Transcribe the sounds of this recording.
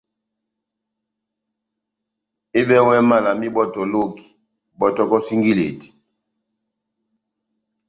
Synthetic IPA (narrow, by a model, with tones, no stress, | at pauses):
e˦ɓɛ˦wɛ˦ma˦la˨mi˦ɓɔ˦tɔ˨lo˦ki̥˨ | bɔ˨tɔ˦kɔ˦si˦ŋɡi˦le˨ti̥˨